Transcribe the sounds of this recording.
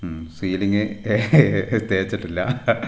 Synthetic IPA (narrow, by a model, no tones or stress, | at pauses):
siːliŋɡɨ | t̪eːit͡ɕːiʈːilːɐ